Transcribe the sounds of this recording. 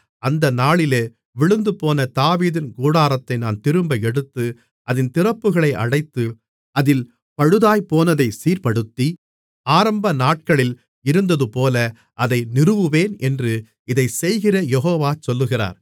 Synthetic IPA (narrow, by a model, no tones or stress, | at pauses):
ɐnd̪ɐnaːɭɪleː | ʋɪɭɯnd̪ɯpoːnɐt̪aːʋiːðɪnɡuːɽaːɾɐt̪ːɐɪnaːnt̪ɪɾɯmbɐɛɽɯt̪ːɯ | ʔɐðɪnt̪ɪrɐpːɯɣɐɭɐɪʔɐɽɐɪt̪ːɯ | ɐðɪl | pɐɻɯðaːjpoːnɐðɐɪsiːɾpɐɽɯt̪ːi | aːɾɐmbɐnaːʈ̚kɐɭɪl | ɪɾɯnd̪ɐðɯpoːlɐ | ʔɐðɐɪnɪrɯʋɯʋeːnɛndrɯ | ɪðɐɪsɛjɣɪrɐjɛɦoːʋaːt͡ʃɔlːɯɣɪra̰ːɾ